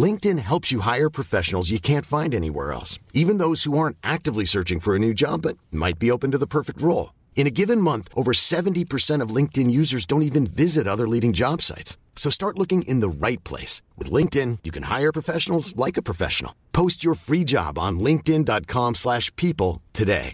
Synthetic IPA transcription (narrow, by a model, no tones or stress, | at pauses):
lɪ̃ŋk̚tɨ̃nɦɛlˠpsjɨɦaɪə˞pʰɹ̥ɨfɛʃn̩l̩ˠzjɨkʰæ̃ntfãɪ̃ndɛnḭwɛ̰ɹɛ̰lˠsivɨ̃nðoʊz̥huɑɹ̃ntʔæk̚tɨvlisɜ˞t͡ʃɪ̃ŋfə˞ɨnʉd͡ʒɑ̰bʌt̚ma̰ɪt̚b̥ioʊpɨ̃n̩tɨðəpʰɜ˞fɨk̚t̚ɹoʊlˠ | ɨ̃ɾ̃ɨɡɪvɨ̃nmʌ̃nθʔoʊvə˞sɛṽn̩tipʰə˞sɛ̃ɾ̃ʌvlɪ̃ŋk̚tɨ̃njʉzə˞zdõʊ̃ntivɨ̃nvɪzɨɾʌðə˞liɾɪ̃ŋd͡ʒɑb̥sa̰ɪtsː | oʊstɑɹtˡlʊkɪ̃ŋʔɪ̰̃nðəɹaɪt̚pʰl̥ḛɪswɨ̰ðlɪ̃ŋk̚tɪ̃njɨkʰɨ̃nha̰ɪə˞pʰɹ̥əfɛʃn̩l̩ˠzlaɪkɨpʰɹ̥ɨfɛ̰ʃn̩l̩ˠpʰoʊst͡ʃə˞fɹid͡ʒɑ̰b̃n̩lɪ̃ŋk̚tɪ̃ndɑt̚kʰɑ̃mslæʃpʰipl̩ˠtʰɨdḛɪ